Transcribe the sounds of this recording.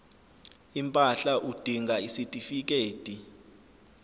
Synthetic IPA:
impʼaɬaʔud̥ʱiŋʱaisitʼifik̬ʼeːtʼi

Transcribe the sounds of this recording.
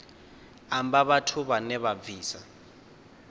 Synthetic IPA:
ambaβatʰuβanɛβab̪viːsa

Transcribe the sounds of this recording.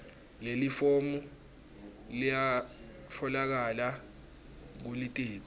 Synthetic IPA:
lelifomu | lija | fɔlak̬ala | k̬ulitʼiːk̬ɔ

